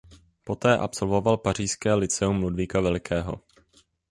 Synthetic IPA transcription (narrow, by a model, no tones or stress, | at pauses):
po̞t̪ɛːʔa̰pso̞lvo̞valpar̝iːskɛːlɪt͡sɛumːludviːkavɛlɪkʰɛːɦo̞̰